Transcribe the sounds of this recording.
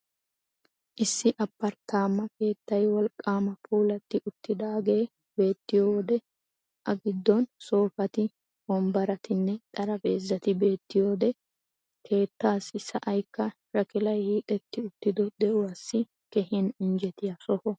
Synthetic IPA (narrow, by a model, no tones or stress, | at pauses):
ʔɪsːɪʔɐpːɐɾt̪aːmːɐke̞ːt̪ːɐjwɔlkʼːaːmɐpʰuːlɐt̪ːɪʔʊt̪ːɪd̪aːɡe̞ː | be̞ːt̪ːɪjoːd̪ɛ | ʔɐɡɪd̪ːɔnso̞ːfɐt̪ɪ | bɔmbɐɾɐt̪ɪnːɛt̪ʼɐɾɐbeːzːɐt̪ɪbe̞ːt̪ːɪjoːd̪ɛ | kʰe̞ːt̪ːaːsɪsːɐ̰ʔɐjkːɐ | ɾɐkɪlɐjhiːʔʼɛt̪ːɪʊt̪ːɪd̪ɔd̪ɛʔʊwasːɪ | kɛhɛnɪnd͡ʒɛt̪ɪjɐsɔhɔ